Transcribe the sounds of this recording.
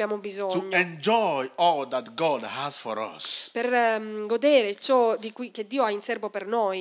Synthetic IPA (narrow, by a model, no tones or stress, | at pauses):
jaːmobizɔtuɲːɛ̃nd͡ʒɔjɔlðætɡɔdhəz̥fɔɾʌ̰sperɡod̪ɛːɾet͡ʃɔd̪ikwiked̪ːiːoainsɛrvopernoːj